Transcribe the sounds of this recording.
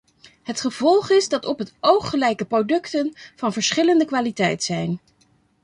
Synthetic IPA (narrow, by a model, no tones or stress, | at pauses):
ɦətχəv̥ɔlˠχɪzdɑtɔpɦətowχːəlɛjkəprodɵktənv̥ɑnvəɹsχɪləndəkʋaːlitɛjtsɛjn